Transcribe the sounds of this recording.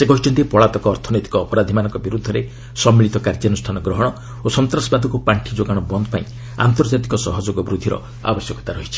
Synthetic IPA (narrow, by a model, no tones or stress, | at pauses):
sekɔɦit͡ʃʰɔnt̪ipɔɭat̪ɔkɔːɾt̪ʰɔnet̪ikɔːpɔɾad̪ʱimanɔŋkɔbiɾud̪ʱːɔɾe | sɔmːiɭit̪ɔkaɾd͡ʒɔnusʈʰanɔɡɾɔɦɔɽ̃ɔ | osɔnt̪ɾasɔbad̪ʱɔkupaɳʈʰid͡ʒoɡaɽ̃ɔbɔnd̪ʱɔpaĩ | a̰nt̪ɔɾd͡ʒat̪ikɔsɔɦɔd͡ʒoɡɔbɾud̪ʱːiɾɔ̰ | a̰bɔsjɔkɔ̥t̪aɾɔɦit͡ʃʰi̥